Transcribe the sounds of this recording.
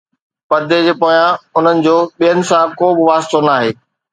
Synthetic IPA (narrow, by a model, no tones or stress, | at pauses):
pɐd̪ʱed͡ʑeːpoːjãʊn̤ənɪ̆d͡ʑoːɓijənɪ̆sãkoːbɪʋaːst̪onaːɦeː